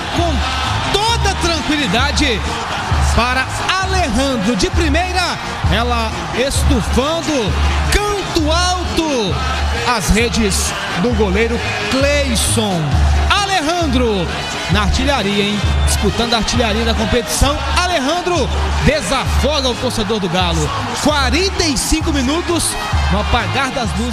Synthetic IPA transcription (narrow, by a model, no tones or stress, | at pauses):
kõw̃ | t̪od̪ɐt̪ɾɐ̃ŋkwilid̪ad͡ʒɪ | paɾɐ | aleɦɐ̃nd̪ɾʊd͡ʒɪpɾimejɾɐ | ɛlɐ | est̪ufɐ̃nd̪ʊkɐ̃t̪ʊawt̪ʊ | ɐzhed͡ʒɪz | d̪ʊɡolejɾʊ | klejsõw̃aleɦɐ̃nd̪ɾʊ | nɐaɾt͡ʃiʎaɾiɐẽj̃d͡ʒɪsput̪ɐ̃nd̪ʊaɾt͡ʃiʎaɾiɐd̪ɐkõpet͡ʃi̥sɐ̃w̃aleɦɐ̃nd̪ɾʊd̪ezafɔɡɐʊt̪osed̪oɾd̪ʊɡalʊ | kwaɾẽnt̪ejsĩkʊmĩnut̪ʊs | nɐ̃ɐpaɡaɾd̪ɐzmu